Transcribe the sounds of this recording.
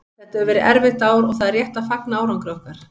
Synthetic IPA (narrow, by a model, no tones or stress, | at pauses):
θɛht̪œvɛːɾɪʔɛɾvɪt̪aːwɾɔɣθaðrjɛht̪afaknaaːwɾawŋkɾowhkaɾ̥